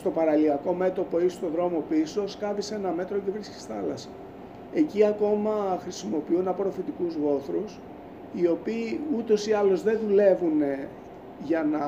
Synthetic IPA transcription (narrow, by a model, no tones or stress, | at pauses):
st̪o̞pɐɾɐliɐko̞me̞t̪o̞po̞eist̪o̞ðɾo̞mo̞piso̞skɐvise̞nɐme̞t̪ɾo̞cevɾisci̥sθɐlɐsɐ̥ | e̞ciɐko̞mɐxɾisimo̞piunɐpo̞ɾo̞fit̪ikuzɣo̞θɾus | io̞piːut̪o̞siɐlo̞zðe̞ðule̞vune | ʝɐnɐ